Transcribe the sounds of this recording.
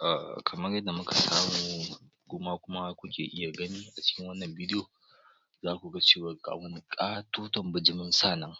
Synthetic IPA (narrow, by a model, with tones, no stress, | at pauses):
ʔa̰˨kʰɐ˨mɐ˦rjɐ˦dːa˨mʊ˦ka˨saː˦muː˨u | ɡ̥ʷoː˦maː˦kʷʊ˦ma˦kʷʊ˦kʲḛː˨ʔɪ˦ja˨ɡɐ˦niː˦ʔa˨t͡ʃɪ̥˦kʲɪ˦ŋwɐ˦nːɐ˨mbiː˦dɪ˦joː˨ | zaː˦kʷu˨ɡa˦t͡ʃeː˦˨wa˨ɡa̰˨wɐ˦ni˦kʼaː˦tuː˦tɔ˨mbʊ˨d͡ʒɪ˦mɪ˦nsaː˦˨nɐ˦ŋ